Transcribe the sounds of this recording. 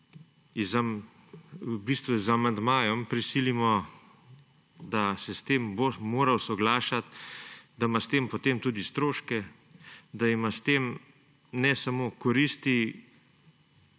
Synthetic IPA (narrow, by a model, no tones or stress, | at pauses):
zam | biːst̪ʋuzamand̪maːjɔmpɾisilimɔ | d̪asɛst̪eːmbomoːɾawsɔɡlaːʃat̪d̪amast̪eːmpɔt̪emt̪uːd̪ist̪ɾoːʃkɛ | d̪aimast̪eːm | nɛsamokɔɾist̪i